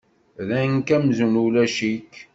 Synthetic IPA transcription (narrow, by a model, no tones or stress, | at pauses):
lænkæmzunulæʃik